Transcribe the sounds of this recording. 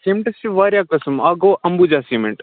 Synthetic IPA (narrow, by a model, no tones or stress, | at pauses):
seːmʈɐst͡ʃiʋaːɾʲjaːkɐsmaːɡoːʔɐmbud͡ʒaːsiːmeɳʈ